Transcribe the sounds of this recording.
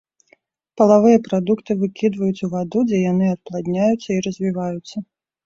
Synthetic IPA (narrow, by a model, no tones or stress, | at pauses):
pɐlˠavɨjɐpɾad̪ukt̪ɨvɨkʲid̪vɐjut͡sʲuvad̪ud͡zʲɛjan̪ɨɐt̪̚plˠad̪ʲnʲajut̪sːɐiɾɐzʲvʲivajut̪sːɐ